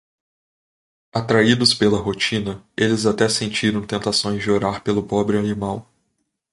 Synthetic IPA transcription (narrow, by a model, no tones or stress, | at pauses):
at̪ɾaid̪ʊspelɐɦot͡ʃĩnɐelɪzat̪ɛsẽnt͡ʃiɾɐ̃w̃t̪ẽnt̪asõj̃zd͡ʒoɾaɾpelʊpɔbɾɪanimaw